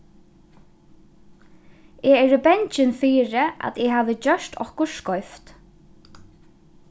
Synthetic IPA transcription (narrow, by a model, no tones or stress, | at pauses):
ɛɛːɾibɛɲt͡ʃɪnfiːɾɪa̰t̪ɛɦavðɪt͡ɕœʂt̪ʰɔ̰hkʊskɔɥft̪